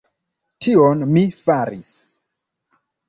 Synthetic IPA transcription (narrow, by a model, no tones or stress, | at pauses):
tʰionmifaɾis